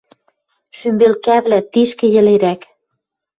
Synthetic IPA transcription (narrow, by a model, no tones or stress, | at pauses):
ʃymbelkæβlæt̪iʃkĕjɘ̆leɾæk